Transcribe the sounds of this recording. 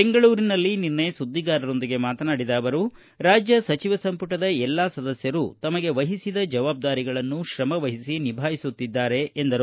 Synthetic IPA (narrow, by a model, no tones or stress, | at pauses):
beŋɡɐɭuːɾinɐlːininːɐjsud̪ʱːiɡaːɾɐɾo̞nd̪iɡe̞maːt̪ɐnaːɽid̪aːʋɐɾu | ɾaːd͡ʒjɐsɐt͡ʃiʋɐsɐmpuʈɐd̪ɐɛlːaːsɐd̪ɐsjɐɾut̪ɐmɐɡe̞ʋɐɦisid̪ɐd͡ʒɐʋaːb̚d̪aːɾiɡɐɭɐnːuʃɾɐmɐʋɐɦisinibʱaːjisut̪ːid̪ːaːɾe̞ːnd̪ɐɾu